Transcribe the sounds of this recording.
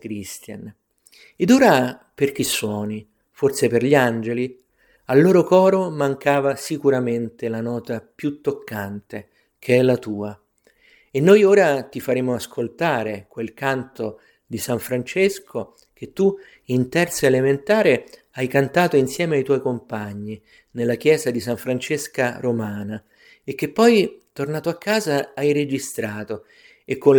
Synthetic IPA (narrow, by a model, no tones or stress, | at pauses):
kɾist̪ja̰n | ed̪oːɾaperk̟isːwɔːni | fort̪seperʎiand͡ʒeli | alːoːɾokɔːɾomaŋkaːvasikuɾament̪elanɔːt̪apjut̪ːokʰːant̪e | kʰeɛlːat̪uːa | enːojoːɾat̪ifaɾeːmoaskʰolt̪aːɾekwelkant̪o | d̪isaɱfɾant͡ʃeskʰo | k̟et̪ːu | int̪ɛrt̪soelement̪aːɾe | ajkant̪aːt̪oinsjɛːmeajt̪wɔjkompaɲːi | nelːak̟jɛːzad̪isaɱfɾant͡ʃeskaɾomaːna | ek̟ːepːɔjt̪ornaːt̪oakːaːzaajɾed͡ʒist̪ɾaːt̪o | ekːo